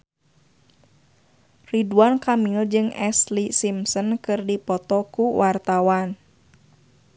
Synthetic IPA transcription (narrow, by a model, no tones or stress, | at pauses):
riduankamild͡ʒɨŋɛslisimsənkɨrdipɔt̪ɔkuwart̪awan